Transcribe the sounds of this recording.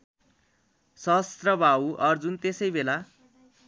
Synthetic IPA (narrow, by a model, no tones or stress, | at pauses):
sʌst̪rʌbʱawʔʌrd͡zunt̪esʌjbela